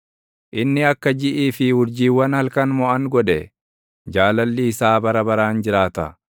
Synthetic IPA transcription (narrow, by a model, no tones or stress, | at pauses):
ʔɪnːɪɐkːɐd͡ʒɪʔiːfɪhʊɾd͡ʒiːwɐnhɐlkɐnmɔʔɐŋɡɔᶑɛ | d͡ʒaːlɐlːɪːsaːbɐɾɐbɐɾaːnd͡ʒɪɾaːt̪ɐ̰